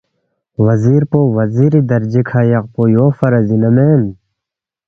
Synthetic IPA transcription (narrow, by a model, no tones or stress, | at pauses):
ʋɐziːɾpoːʋɐziːɾid̪ɐɾd͡ʒikʰaːjɐq̚poːjoːfɐɾɐzinɐmeːn